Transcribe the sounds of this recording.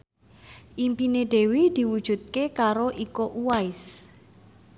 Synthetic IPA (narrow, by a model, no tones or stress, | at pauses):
ʔimpineɖ̪̥e̤wid̪̥i̤wud̥ʒ̥ṳt̪̚kekaɾoʔikoʔuwaɪs